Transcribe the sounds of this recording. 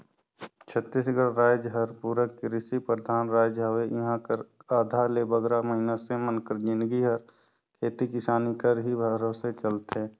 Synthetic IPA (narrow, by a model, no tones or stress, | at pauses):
t͡ʃʰət̪ːiːsɡəɽɾaːd͡ʒɦəɾpuɾəkɾɪsipɾəd̪ʱaːnɾaːd͡ʒɦəʋeɪɦãkəɾaːd̪ʱaːɾlebəɡɾaməɦinasemənkəɾd͡ʒɪ̃nd̪ɡiɦəɾ | kʰeːt̪ikɪsaːnikəɾɦibʱəɡɾõːset͡ʃəlt̪ɦɛ̃ː